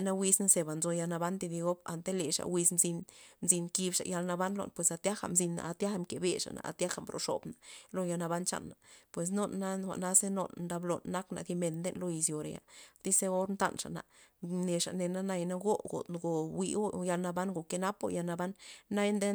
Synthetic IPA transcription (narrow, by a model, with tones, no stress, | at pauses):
na˦wi˧sna˦se˧ba˨nzo˧ja˧lna˧ba˦nt̪i˧d̪i˧ɡo˦ba̰˨nt̪e˦le˨ʂa̰˨wi˧snzi˧nnzi˧nki˧bʂa̰˨ja˧lna˧ba˦nlo̰˧˨npwe˨sa˧t̪ja˦xa̰˨mzi˧nːa̰˨ʔa˧t̪ja˦xa˧˨mke˨be˨ʂa̰˨na̰˨ʔa̰˧t̪ja˦xa˨mbɾo̰˨ʂo̰˨bna˨lo˧ja˧na˧ba˦nt͡ʃa̰˧nːa˨pwe˨s̬no˦nːa˦xʷa̰˨ʔna˦se˦no̰˧nd̪a˧blo̰˨nːa˦kna̰˨d̪i˧me˧nd̪e˦nlo˦i˧sjo˨ɾḛ˨ja̰˨t̪i˦se˦o˦ɾnt̪a̰˦nʂa̰˨na̰˨ne˧ʂa˨ne˧na˦na˧jna˦ɡo˦ɡo̰˨t̪ɡo˨wi˧o˦ja˧lna˧ba˦nɡo˨ke˧na˦po̰˦ja˧na˧ba˦nːa˦jnd̪e˦